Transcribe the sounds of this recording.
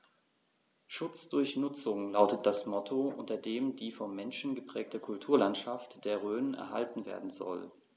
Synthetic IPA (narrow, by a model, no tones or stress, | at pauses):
ʃʊt͡sd̥ʊɐçnʊt͡sʊŋlaʊtət̚d̥asmɔtʰoʔʊntɐdeːmdiːfɔmːɛnʃn̩ɡəpʁ̥ɛːk̚təkʰʊltʰuːɐlantʃaftd̥eːɐʁ̞øːnənɛ̰ɐha̰ltn̩vḛːɐdn̩zɔ̰l